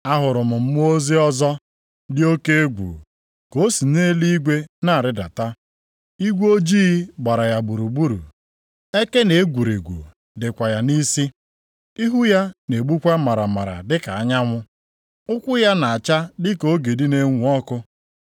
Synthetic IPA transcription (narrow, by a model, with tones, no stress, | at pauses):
a˦ɦʊ˨ɾʊ˨mʊ˨m̩˦m˦o˦zi˦ɔ˦zɔ˦ | dɪ˦o˦ke˦e˦ɡʷṵ˨ | ko˦si˨ne˦li˦i˦ɡʷe˦na˦a˨ɾɪ˦da̰˨ta˦ | i˦ɡʷo˦d͡ʒiː˦ɡ͡ba˨ɾa˨ja˨bu˨ɾu˨ɡ͡bu˦ɾṵ˨ | e˦ke˦ne˨e˦ɡʷu˨ɾi˨ɡʷṵ˨ | dɪ˨kʷa˨ja˨ni˦si˦ | i˦ɦu˦ja˦ne˨ɡ͡bu˦kʷa˦ma˨ɾa˨ma˨ɾa̰˨dɪ˦ka˨a˦ɲa˦ŋʷʊ˦ | ʊ˦kʷʊ˦ja˦na˨a˨t͡ʃa˦dɪ˦ko˦ɡe˨di˦ne˦ŋʷu˨˦ɔ˦kʊ˦